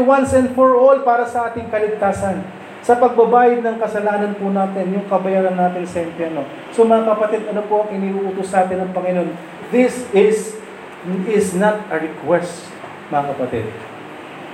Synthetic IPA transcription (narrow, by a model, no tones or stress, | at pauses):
wansɛnd̪foɹʔolpaːɾɐsɐʔaːt̪ɪŋkɐlɪɡ̚t̪aːsɐn | sɐpɐɡ̚bɐbaːjɐd̪̚nɐŋkɐsɐlaːnɐnpʊnaːt̪ɪnjʊŋkɐbɐjaːɾɐnːaːt̪ɪnsɐʔɪmpjɛɾno̞ | so̞mɐŋakɐpɐt̪ɪd̪ɐnopo̞ʔɐŋʔɪniːʔuːʔuːt̪osnaːt̪ɪnɐŋpɐŋɪno̞n | d̪ɪsɪs | ɪsnɐt̪ɐɹɪkwɛst̪ | mɐŋɐkɐpɐt̪ɪ̰d̪̚